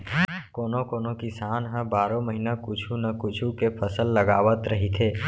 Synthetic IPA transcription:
koːnokoːnokɪsaːnɦə̃baːɾoməɦinakʊt͡ʃʰunəkʊt͡ʃʰukepʰəsəlːəɡaːʋət̪ɾəɦit̪ʰeː

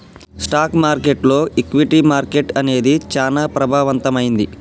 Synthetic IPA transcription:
sʈaːkmaːɾke̞ʈlo̞ːʔikʋiʈimaːɾke̞ʈɐne̞ːd̪it͡ʃaːnaːpɾɐbʱaːʋɐnt̪ɐmɐjind̪i

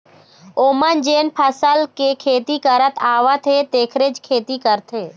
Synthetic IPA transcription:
oːmənd͡ʒeːnpʰəsəlkekʰeːt̪ikəɾət̪ʰaːʋət̪ʰet̪eːkʰɾed͡ʒkʰeːt̪ikəɾt̪ʰeː

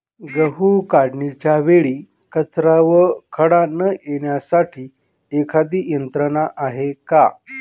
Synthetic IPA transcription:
ɡəɦukaɽɳit͡ɕjaʋeɭiː | kət͡sɾaʋəkʰəɽanəjeɽjasaʈʰiː | ekʰad̪iːjənt̪ɾəɳaʔaɦeka

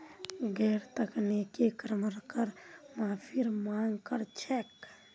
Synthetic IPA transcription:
ɡɛːɾt̪əknekekɾəməɾkəɾmaːpʰiɾmaːŋɡkəɾt͡ʃʰɛːk

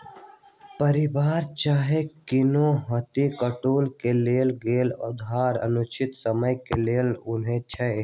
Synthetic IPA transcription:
pəɾɪbaːɾt͡ʃaːɦekɪnoɦət̪ikəʈoːlkeleːlɡeːlʊ̰d̪ʱaːɾə̰nʊt͡ʃʰɪt̪səməjkeleːlʊnɦẽt͡ʃʰə

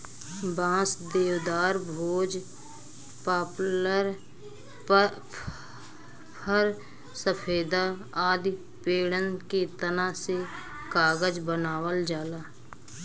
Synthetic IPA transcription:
bãːsd̪eːʋd̪aːɾbʱoːd͡ʒ | paːpləɾ | pʰəɾ | səpʰeːd̪a | aːd̪i | peːɽənket̪ənase | kaːɡəd͡ʒbənaːwəld͡ʒaːlaː

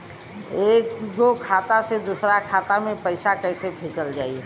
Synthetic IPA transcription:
eːkɡokʰat̪ased̪usɾakʰat̪amẽpəɪsakəɪsepʰet͡ʃəld͡ʒaːi

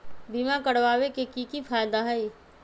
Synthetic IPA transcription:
bʱiːmãkɐɽʋaːwekekikifʰaːjd̪aɦəi

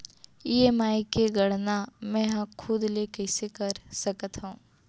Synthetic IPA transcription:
iːeːmaːikeɡɐɽnamɛ̃ɦɐ̃kʰʊd̪lekɛɪsekəɾsəkət̪ɦõː

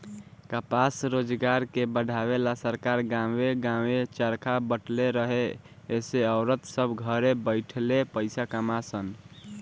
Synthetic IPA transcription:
kəpasɾod͡ʒɡaɾkebəɖʱabelasəɾkaɾɡãeɡãwet͡ʃəɾkʰabəʈʰleɾəɦe | eseəʊɾət̪səbʱɡʱəɾebəɪʈʰlepəɪsakəmasən

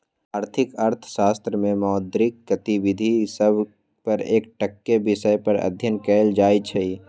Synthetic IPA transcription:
aːɾt̪ʰɪkɐɾt̪ʰʃaːst̪ɾəmẽmɔːd̪ɾɪkkɐt̪iwɪd̪ʱisəbʱ | pɐɾeːk̚ʈəkːebɪʃəjpəɾɐ̰d̪ʱjənkɛːld͡ʒaːit͡ʃʰɐi

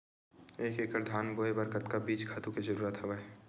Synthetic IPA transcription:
eːkeːkəɾd̪ʱaːnboːebəɾkət̪kabiːt͡ʃkʰaːt̪ũkizəɾuːɾət̪ɦɛʋə

